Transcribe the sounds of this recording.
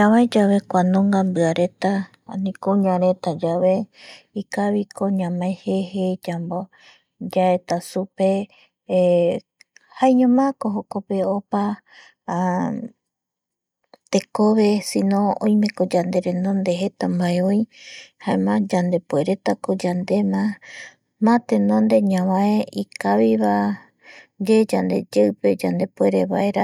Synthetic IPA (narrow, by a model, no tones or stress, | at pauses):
aβaed͡ʒaβe̞kʷanõŋɡambɨaɾe̞t̪a | nĩkoɲãɾet̪ad͡ʒaβe̞ikaβikoɲãmaehehed͡ʒambo | d͡ʒaet̪asupe̞ | haeɲõmãkoɦokope̞opa | t̪e̞koβe̞sinõ̞õ̰jmẽ̞kod͡ʒand̪e̞ɾẽnõnd̪e̞ɦe̞t̪ambaeojhaemãd͡ʒand̪e̞pue̞ɾe̞t̪akod͡ʒand̪e̞mã | mãt̪enõnd̪e̞ɲãβãeikaβiβa | d͡ʒed͡ʒand̪e̞̰d͡ʒeɨpe̞d͡ʒand̪e̞pwe̞ɾeβaʔe̞ɾa